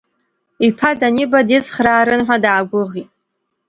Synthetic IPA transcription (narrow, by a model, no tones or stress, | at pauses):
ipʰadanibadit͡sχraːɾɨnħʷadaːɡʷʊʁitʼ